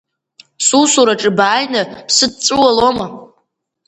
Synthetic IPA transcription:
susuɾaʈ͡ʂʼɨbaːjnapsɨd̚t͡sʼɨwaloma

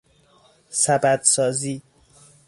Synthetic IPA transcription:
sæbæd̪̥sɒːziː

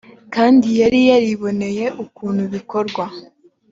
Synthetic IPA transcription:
kaːndijaɾijaɾiβo̞ne̞je̞ʔukuːn̥huβiko̞ɾɡwa

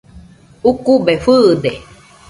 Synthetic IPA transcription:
ukubefɨːd̪e

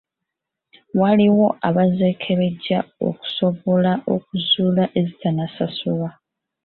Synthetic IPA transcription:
waliwo̞ʔaβaze̞ːkʰe̞βe̞ɟao̞̰ku̥so̞βo̞laʔo̞k̚uzuːlaʔe̞zitanasasuwa

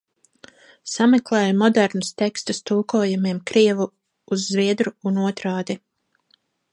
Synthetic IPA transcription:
samɛklˠɛːjmɔd̪ɛɾnust̪ɛkst̪ust̪uːkuːjumiɛmkɾiɛvuː | zːviɛd̪ɾuːnuɔt̪ɾaːd̪i

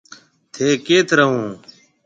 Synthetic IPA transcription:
t̪ʰeːkeːt̪ʰɾəɦũː

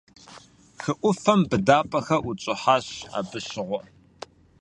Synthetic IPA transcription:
xɨʔʷʊfɐmbɨdaːpʼɐxɐʔʊt͡ʃʼɪħaːɕa̰ːbɨɕɪʁʷɔ

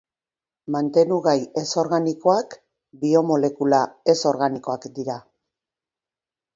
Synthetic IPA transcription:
mant̪e̞nuɣaje̞so̞ɾɣaniko̞ak | bio̞mo̞le̞kulae̞so̞ɾɣaniko̞akd̪iɾa

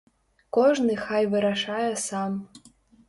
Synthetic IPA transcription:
koʐnɨxajvɨɾaʂajɐsam

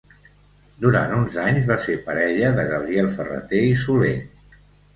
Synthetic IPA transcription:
d̪uɾa̰nt̪unzaɲzβasepəɾɛʎəðəɣəβ̞ɾiɛlˠfərə̰t̪eisule

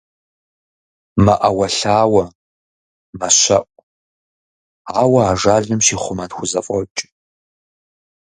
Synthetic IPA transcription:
mɐʔɐwɐɬaːwɐ | mɐɕɐ̰ʔʷʼ | aːwɐaːʐaːɮɨmʃiːχʷʊmɐtxʷʊzɐfʷʼɔt͡ʃʼ

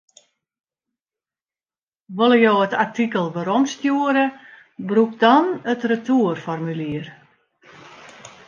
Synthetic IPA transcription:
ʋolˠəjoːətartikəlˠʋəɾomstjuəɾə | bruk̚dɔnətrətuərfɔrmyliər

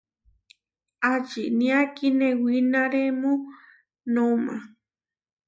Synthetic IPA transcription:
at͡ʃinĩakinẽwinãɾemũ | nõmã̰

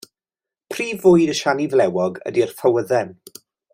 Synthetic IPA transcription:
pʰriːvʊjdəʃanivlɛwɔɡə̰dir̥fəwəðɛn

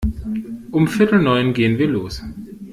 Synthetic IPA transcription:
ʔʊmfɪɐtl̩nɔʏnɡeːənviːɐloːs

